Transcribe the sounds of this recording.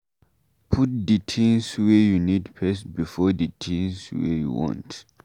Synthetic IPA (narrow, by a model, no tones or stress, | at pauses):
pʰut̚ditʰĩŋswɛjunidpʰɛsbifɔditʰĩnswɛ̰jṵwɔ̰̃nt